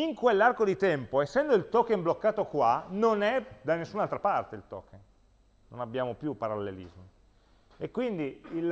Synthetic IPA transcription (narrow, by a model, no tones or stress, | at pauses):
iŋkwelːarkod̪it̪ɛmpoesːɛnd̪oilt̪ɔkenblokːaːt̪okwanonɛd̪anːesːunalt̪ɾapart̪eilt̪ɔ̰kːenː | onabjaːmopjupːaɾalːelḭzmo | ekːwind̪iil